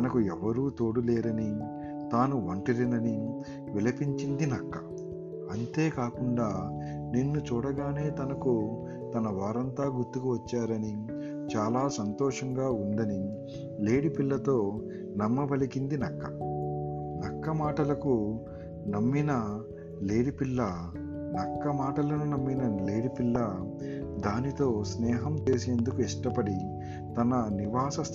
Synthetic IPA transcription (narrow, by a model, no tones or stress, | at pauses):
ɐnɐkuɛʋɐɾuːt̪oːɽuleːɾɐni | t̪aːnuʋɐɳʈɐɾinɐni | ʋilɐpiɲt͡ʃind̪inɐkːɐ̥ | ɐnt̪e̞ːkaːkuɳɖaː | ninːut͡ʃuːɽɐɡaːne̞ːt̪ɐnɐku | t̪ɐnɐʋaːɾɐnt̪aːɡuɾt̪ːukuʋɐt͡ʃːaːɾɐni | t͡ʃaːlaːsɐnt̪ɔːʂɐŋɡaːuɳɖɐni | le̞ːɽipilːɐt̪o̞ː | nɐmːɐbɐlikind̪inɐkːɐ | nɐkːɐmaːʈɐlɐku | nɐmːinɐ | le̞ːɽipilːɐ | nɐkːɐmaːʈɐlɐnunɐmːinɐleːɽipilːɐ | d̪aːnit̪o̞ːsnɛːɦɐmt͡ʃe̞ːse̞ːnd̪ukuɛʂʈɐpɐɽi | t̪ɐnɐniʋaːsɐs